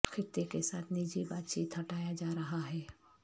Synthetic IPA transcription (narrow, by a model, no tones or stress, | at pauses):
kʰɪt̪ːekesaːt̪ʰnid͡ʒibaːt̪t͡ʃiːt̪ɦɐʈaːjad͡ʒaːɾɐɦaɦɛː